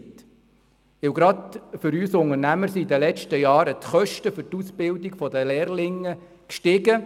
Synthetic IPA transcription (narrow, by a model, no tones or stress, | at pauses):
t̪ | ɪwɡɾɑd̪fʏɾyːsʊŋəɾnæməɾsiid̪əlɛt͡ʃtəjɑːɾət̪χœʃtəfʏɾtusb̥ɪld̪iɡfɔd̪əlɛːrlɪŋːə | kʃtɪɡə